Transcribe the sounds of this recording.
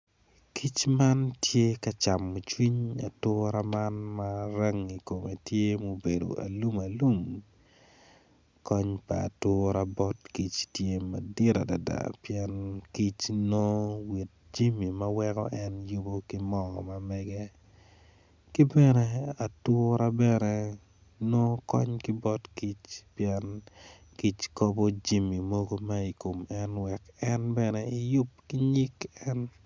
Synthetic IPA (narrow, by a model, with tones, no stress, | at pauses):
kʰi˦t͡ʃma˦ntje˦ka˦t͡ʃa˨mo˨t͡ʃwi˦ɲa˨tʊ˦ɾa˦ma˦nmaɾɛ˦ŋi˨ko˨me˨tje˦mo˦be˨do̰˨ʔa̰˨lu˦ma˨lu˦ŋ | kɔ˦ɲpa̰ː˨tʊ˦ɾa˦bɔ˦tki˦t͡ʃtje˦ma˨di˦ɾa˨da˨da̰˨pjɛnki˦t͡ʃno˦wi˨t̚d͡ʒi˦mi˨mɐ˦wɛ˦kɔ̰˦ʔɛ˦nju˦bo˦kɪ˦mɔ˦ŋɔ̰˨ma˨mɛɡɛ˦ | kɪ˦bɛ˦nɛ˨a˨tʊɾa˦bɛnɛ˨ | no˦kɔ̰˦ɲkɪ˦bɔ˦tki˦t͡ʃpjɛn | ki˦t͡ʃko˦bo˦d͡ʒi˦mi˨mo˦ɡo˦mai˨ko˨mɛ˦nwɛ˨kɛ˦nbɛnɛɪ˨jʊ˦p̚kɪ˦ɲi˦kɛ˦n